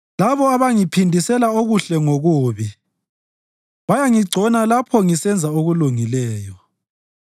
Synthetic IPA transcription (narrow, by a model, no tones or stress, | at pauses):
laβɔaβaŋipʰindʱisɛlaoɣuɬɛŋoɣuːβi | βajaŋiɡ͡ǀʱɔnalapʰɔŋisɛnd͡zʱaoɣuluŋilɛːjɔ